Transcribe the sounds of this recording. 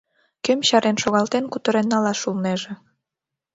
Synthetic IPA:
kømɕɑɾenʃoɣɑlt̪enkut̪ə̆ɾenːɑlɑʃulneʒĕ

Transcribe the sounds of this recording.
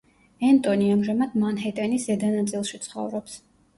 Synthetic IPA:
ɛnt̪ʼɔniamʒamad̪manɦɛt̪ʼɛnisɛd̪anat̪sʼilˠʃit̪sʰχɔ̰vɾɔps

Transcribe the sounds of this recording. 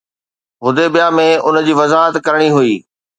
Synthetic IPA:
ɦʊd̪ebijamẽʊnd͡ʑiːʋɐzaːɦət̪kɐɾɽ̃iɦʊiː

